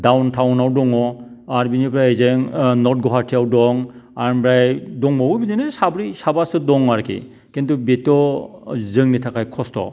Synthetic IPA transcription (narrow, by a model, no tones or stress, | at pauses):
dawntʰawnawdɔŋɔaɾbinipɾajezeŋnɔt̚ɡɔɦaɾtʰiawdɔŋaɾbɾajdɔŋbawɯbidinesabɾisabasɯdɔŋaɾkʰḭ | kentubetɔ | zɯŋnitʰakʰajkʰɔstɔ̰